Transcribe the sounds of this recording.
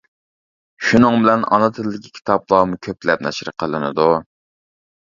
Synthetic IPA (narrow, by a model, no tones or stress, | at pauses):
ʃunɨŋbɪlɛnɑ̰nɨt̪ʰɪlːɪkʲʰi̥kʲʰi̥t̪ʰɑplˠɑːmukʲʰøplɛp̚nɛʃɾəqʰəlˠɨnɨ̰d̪u